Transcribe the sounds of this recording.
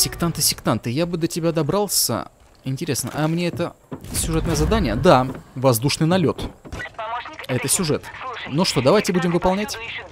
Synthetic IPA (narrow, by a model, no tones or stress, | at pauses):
sʲɪkt̪ant̪ɨsʲɪkt̪ant̪ɨjabɨd̪ətʲɪbʲad̪ɐbɾalˠsʲə̰ | ɪnʲtʲɪɾʲe̞snə̰ʔɐmnʲeɛt̪əsʲʊʐɛt̪nəjəzɐd̪anʲɪjəd̪avɐzd̪uʂnɨjnɐlʲo̞t̪ | ɛt̪əsʲʊʐɛt̪nuʂt̪o̞d̪ɐvajtʲɪbudʲɪmvɨpɐlˠnʲætʲ